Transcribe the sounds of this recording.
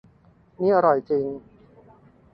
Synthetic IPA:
niː˦˥ʔa˧ɾɔ˨˩jt͡ɕi˧ŋ

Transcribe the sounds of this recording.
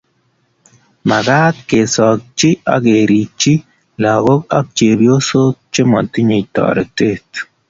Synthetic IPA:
ma˨ɡa˦t̚ke˨sɔ˨k̚t͡ʃi˦a̰˦ɡe˨ɾi˨t͡ʃi˦ | la˨ɡo˦ka˦k̚t͡ʃe˨bjo˦so˦t͡ʃe˦mɔ̰˨ti˦ɲi˨tɔ̰ː˨ɾɛ˨te˦˨t

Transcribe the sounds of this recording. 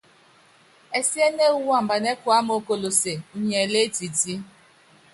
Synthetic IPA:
e˦si˦e˦ne˦u˦wa˦˨m̩˨ba˨ne˦kʊ˨˦a˦m˦o˦ko˨lo˨se˨˦ɲe˨le˦ti˨ti˦

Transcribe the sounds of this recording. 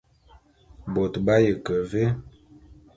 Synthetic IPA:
bo˨tba˦jə˨kə˨ve˦

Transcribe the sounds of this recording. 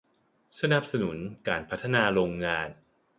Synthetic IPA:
sa˧na˨˩p̚sa˧nu˩˦nkaː˨npʰa˦˥t̪ʰːa˧naː˧ɾoː˧ŋːaː˧n

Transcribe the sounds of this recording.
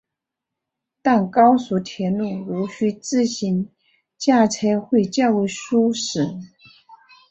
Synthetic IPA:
t̪a˥˩nkɑ˥ʊsu˧˥t̪ʰjɛ˧˥nnu˥˩ɻu˧˥ɕy˧˥t͡sɹ̩˥˩ɕi˧˥n | t͡ɕja˥˩t͡sʰa˥ɪxwe˥˧ɪt͡ɕjɑ˥˧ʊu˥˩ʂu˥ʂɻ̩˨˩˦

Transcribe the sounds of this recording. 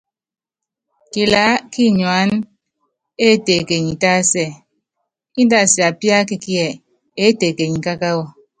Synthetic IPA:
ki˨la˨˦ki˦˨ɲwa˨˦n | e˦te˨ke˨ɲi˨ta˦˨˦sɛ˦˨ | i˦n˦da˦˨si˨a˨pja˦ki˦ki˦ɛ˨ | e˨˦te˨ke˨ɲ̩˨ka˦ka˦wɔ˦˨

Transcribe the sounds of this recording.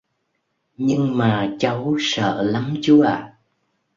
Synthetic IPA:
ɲɨ˧ŋmaː˨˩t͡ɕə˨˦wsə̰ː˧˨la˨˦mt͡ɕu˨˦ʔaː˧˨˩

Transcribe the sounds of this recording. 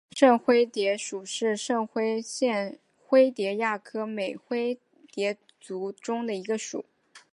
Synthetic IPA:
ʂɤ˥˩ŋxwe˥ɪt̪jɛ˧˥ʂu˨˩ʂɻ̩˥˧ʂɤ˥˩ŋxwe˥ɪɕjɛ˥˩n | xwe˥ɪt̪jɛ˧˥ja˥˩kʰɤ˥me˨˩ɪxwe˥ɪ | t̪jɛ˧˥ | t͡su˧˥ʈ͡ʂʊ˥ŋd̪ə˨i˧˥ɡə˧ʂṵ˨˩˦

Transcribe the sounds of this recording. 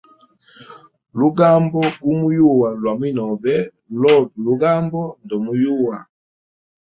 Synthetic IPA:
lu˦ɡa˦mbɔ˦u˦mu˦ju˦˨wa˨lwa˨mwi˦nɔ˨bɛ˦ | lɔ˦˨du˨lu˦ɡa˦mbɔ˦ndɔ˨mu˨ju˦˨wa˨

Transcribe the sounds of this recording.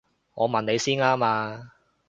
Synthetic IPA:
ŋɔː˨˧mɐ˨nne˨˧jsiː˥naː˥maː˧

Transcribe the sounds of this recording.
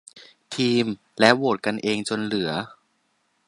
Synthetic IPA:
t̪ʰiː˧m | lɛ˦˥woː˨˩t̪̚ka˧nʔeː˧ŋt͡ɕo˧nlɯ˩˦ɐ

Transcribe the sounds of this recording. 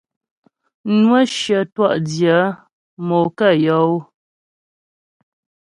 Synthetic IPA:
nwə˦ʃjə˨twa̰˦˨ʔdjə˨˦ | mo˨kə˦˨jɔ˨˦w

